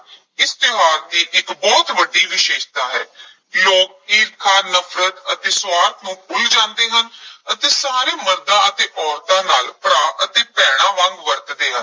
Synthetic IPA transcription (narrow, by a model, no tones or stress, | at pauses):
ɪst̪ɪɦaːɾd̪iːʔɪkbɔːt̪ʋəɖːiːʋɪʃeːʃt̪aːɦɛːkloːk̚eːɾkʰaːɾnəpʰɾət̪ət̪eːsʋaːɾt̪ʰnũːkʰʊld͡ʒãːnd̪eːɦənət̪eːsaːɾeːməɾd̪ãːət̪eːʔɔːɾt̪ãːnaːlpəɾaːʔət̪eːpɛːɽ̃ãːʋãŋɡʋəɾt̪d̪eːɦən